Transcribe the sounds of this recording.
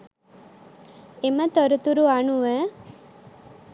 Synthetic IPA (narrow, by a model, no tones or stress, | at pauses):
emət̪ɔɾut̪uɾuanuʋəː